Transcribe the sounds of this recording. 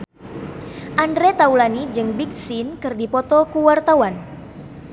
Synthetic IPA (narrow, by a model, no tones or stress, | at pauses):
ʔandɾɛt̪aulanid͡ʒɨŋbik̚sinkɨrdipɔt̪ɔkuwart̪awan